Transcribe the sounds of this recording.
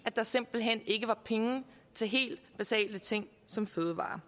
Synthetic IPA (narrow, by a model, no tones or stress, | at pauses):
æd̥ɑ̈se̝m̰b̥l̩ɦen̰e̝ɡ̥əʋɑ̈pʰeŋə | t͡sʰe̝ɦe̝̰ːld̥b̥esɛ̰ːl̥ət͡sʰeŋ̰ | sɒ̽mføːð̞ˠʋɑ̰̈ː